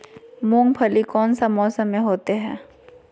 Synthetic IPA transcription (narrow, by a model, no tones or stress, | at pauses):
mõːŋɡpʰəlikɔːnsamɔːsəmːẽɦoːt̪eɦɛ̰̃ː